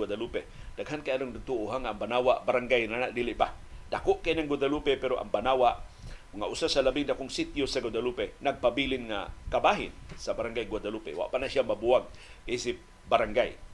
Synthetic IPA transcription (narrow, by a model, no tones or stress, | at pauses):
wadaluped̥aɡɦankajanʊŋnaɡ̚t̪uʔʊɦaŋaːŋbanawaʔbaɾaŋɡajnanaʔdilɪʔbadakʊʔkajnaŋɡwad̪alupepeɾoʔa̰ŋbanawaʔ | ŋːa̰ʔusasalabɪŋdakʊŋsit̪josaɡad̪alupenaɡ̚pabilɪnŋa̰kabaɦɪ̰nsabaɾaŋɡajɡwadalupḛwa̰ʔpanasiamabuaɡ̚isɪp̚ | baɾaŋɡaj